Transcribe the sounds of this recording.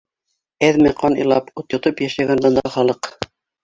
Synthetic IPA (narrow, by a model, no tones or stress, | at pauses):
æðmæqɑnɤ̰̆jlˠɑ̰put̪jŏt̪ɤpjæʃæɡænd̪ɑ̆nd̪ɑ̰χɑlˠɤq